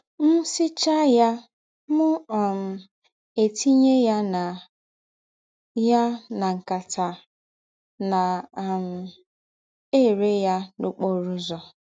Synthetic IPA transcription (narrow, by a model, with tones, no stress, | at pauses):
m̩˦sɪ˦t͡ʃa˦ja˦ | mʊ˦ɔ˨m̩˨ | e˨tʰi˦ɲe˦ja˦na˨ | ja˦na˨ŋ̩˨ka˨tʰa˨ | na˨m̩˨ | e˦˨ɾe˦ja˦nu˦k͡po˦ɾʊ˦zɔ˨